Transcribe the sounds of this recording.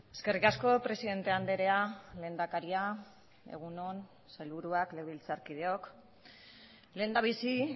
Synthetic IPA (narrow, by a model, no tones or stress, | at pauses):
e̞ske̞rikasko̞pɾe̞siðe̞nt̪e̞and̪e̞ɾe̞ale̞ːnd̪akaɾia | e̞̰ɣ̞uno̞n | selβuɾuakleɣβilt͡saɾkið̞eo̞k | leːnd̪aβisi